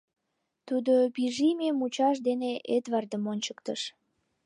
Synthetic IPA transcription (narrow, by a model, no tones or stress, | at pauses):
t̪ud̪obiʒimemut͡ɕɑʃd̪eneʔet̪βɑrd̪əmonʲt͡ɕə̥kt̪əʃ